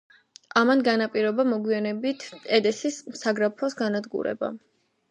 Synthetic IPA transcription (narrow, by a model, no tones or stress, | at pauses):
amanɡanapʼiɾɔbamɔɡwianɛbit̪ʰɛd̪ɛsismsaɡɾapʰɔsɡanad̪ɡṵɾɛ̰ba̰